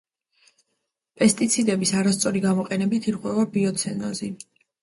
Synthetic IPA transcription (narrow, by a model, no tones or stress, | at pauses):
pʼɛst̪ʼit̪sʰid̪ɛbisaɾast̪sʼɔɾiɡamɔqʼɛnɛbit̪ʰiɾʁwɛvabiɔt̪sʰɛnɔ̰zi